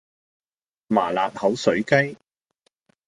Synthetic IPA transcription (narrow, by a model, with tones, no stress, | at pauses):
maː˨˩laː˨t̚hɐ˨˥wsɵ˨˥ɥkɐ˥j